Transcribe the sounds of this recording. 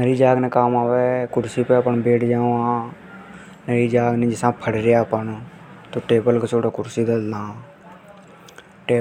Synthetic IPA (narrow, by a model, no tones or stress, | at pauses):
nəɾiːd͡ʒaːɡnɛːkaːmaːʋɛkʊɾsiːpɛːəpənbeːʈʰd͡ʒãːãː | nəɾiːd͡ʒaːɡnẽːd͡ʒɪsãːpʰəɽɾejaːpənt̪oːʈeːbəlkəsoːʈaːkʊɾsiːd̪əld̪ãː | ʈeː